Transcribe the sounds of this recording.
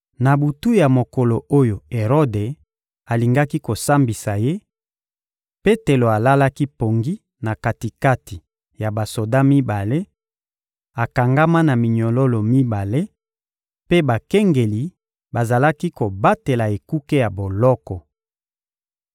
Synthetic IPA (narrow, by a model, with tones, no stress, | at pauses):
na˨bu˨tu˦ja˨mo˨ko˨lo˨o˦jo˨e˨ʁo˦de˨ | a˨li˨ŋɡa˦ki˦ko˨sa˦mbi˨sa˨je˦ | pe˦te˨lo˨a˨la˦la˦ki˦po˨ŋɡi˦ | na˨ka˨ti˨ka˦ti˨ | ja˨ba˨so˨da˦mi˦ba˨le˦ | a˨ka˨ŋɡa˦ma˦na˨mi˨ɲɔ˨lo˦lo˨mi˦ba˨le˦ | pe˦ba˨kɛ˦ŋɡe˨li˨ | ba˨za˨la˦ki˦ko˨ba˦te˨la˨e˨ku˦ke˦ja˨bo˨lɔ˦kɔ˨